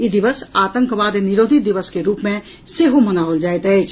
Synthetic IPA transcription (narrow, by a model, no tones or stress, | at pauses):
jid̪ɪʋəsaːt̪ə̃ŋkʋaːd̪nɪɾoːd̪ʱid̪ɪʋəskeɾuːpmẽ | seɦomənaːəld͡ʒaːet̪ɦɛet͡ʃʰ